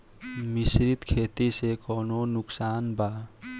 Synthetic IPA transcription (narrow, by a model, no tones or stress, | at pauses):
misɾit̪kʰet̪isekɔnonʊksaːnba